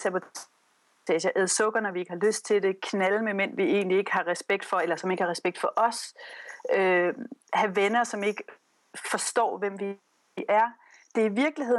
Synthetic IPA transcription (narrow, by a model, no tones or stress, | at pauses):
sæbot͡s | ɛɕɐʔɛð̞ˠsɔ̽ɡ̥ɐnɒʋie̝ɡ̥əhɑ̈løsd̥̚t͡sʰe̝ld̥e̝kʰnælmemen̰ʋie̝̰ːnlie̝ɡ̥əhɑ̈ʁɛsb̥eɡ̥̚d̥fɒ̽elɐsɒ̽me̝ɡ̥hɑ̈ʁɛsb̥eɡ̥̚d̥fɒ̽ʔɒ̽s | ø | hæʋenɐsɒ̽me̝ɡ̥ə | fɒ̽sd̥ɒ̰ːʋem̰ʋi | ʔæɐ | d̥e̝ɐiʋiɐɡ̥liɦe̝ð̰ˠ